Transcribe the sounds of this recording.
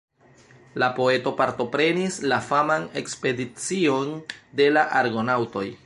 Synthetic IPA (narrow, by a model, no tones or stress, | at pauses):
lapo̞e̞to̞paɾto̞pɾe̞nislafamane̞kspe̞dit͡sio̞nde̞laʔaɾɡo̞nawto̞j